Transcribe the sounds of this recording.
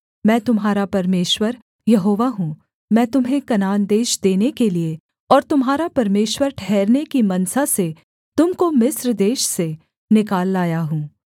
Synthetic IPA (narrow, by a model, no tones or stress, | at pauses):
mɛ̃ːt̪ʊmɦaːɾapɐɾmeːʃwəɾ | jɐɦoːʋaɦũː | mɛ̃ːt̪ʊmɦẽkɐnaːnd̪eːʃd̪eːnekelie | ɔːɾt̪ʊmɦaːɾapɐɾmeːʃwəɾʈʰɛːɾnekimɐnsase | t̪ʊmkomɪsɾd̪eːʃse | nɪkaːlːaːjaɦũː